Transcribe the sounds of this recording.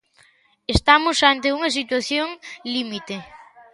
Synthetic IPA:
est̪amosant̪euŋɐsit̪waθjoŋlimit̪e

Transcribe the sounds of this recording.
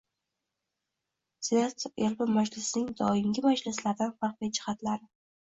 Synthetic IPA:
set̪elbɪmad͡ʒlɪsnɪŋd̪ɒɪmɡʲɪmad͡ʒlɪslaɾd̪anfɑɾqvijd͡ʒɪhat̪laɾɪ

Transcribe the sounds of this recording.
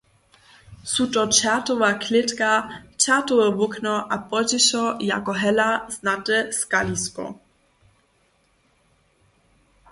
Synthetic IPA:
sutɔt͡ɕatɔvaklɪtkat͡ɕatɔɛvʊknɔʔapɔd͡ʑɪɕɔja̰kɔɦɛlaznatɛskaliskɔ̰

